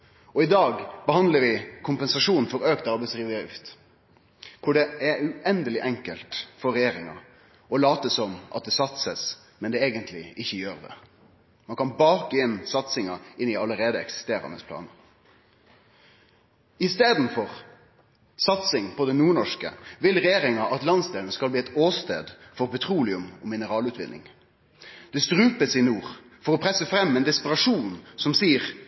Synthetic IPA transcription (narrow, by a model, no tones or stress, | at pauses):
ɔɪd̪ɑːɡbəhɑnd̪ləɾʋɪkʰʊmpɛnsɑʂuːnnfɔɾøːk̚t̪ɑɾbɛsʁiːʋʉt̪ | kʰʊɖɛɛʉʔɛnd̪əlɪʔɛŋkəlt̪fɔɾːɛjeːɾɪŋɑ̰ | ɔlɑːt̪əsɔmʔɑt̪̚d̪ɛsɑt̪səs | mɛnd̪ɛeːɡənt̪ʰlɪ̰ɪçːəjøːʁd̪ɛ̰ | mɑnkɑnbɑːkɛnsɑt̪sɪŋɑɪnɪɑləɾeːd̪əɛ̰ksɪ̥st̪eːɾɑ̰nəspʰlɑ̰ːnə | ɪst̪eːd̪n̩fɔʁ | sɑt̪sɪŋpʰɔd̪ɛnuːɳɔʂkə̰ʋɪlʁɛjeːʁɪŋɑʔɑt̪lɑnsd̪eːlnəskɑlbliːɛt̪oːst̪ḛːd̪fɔʁpʰɛt̪ʰʁuːlɪʉmɔmɪnəʁɑːlʉːt̪ʋɪ̰nːɪ̰ŋ | d̪̥ɛst̪ʁʉːpəsɪnuːʁ | fɔʁɔpʰʁɛsːəfʁɛmːɛnd̪ɪspəʁɑʂuːnsɔmsiːəʁ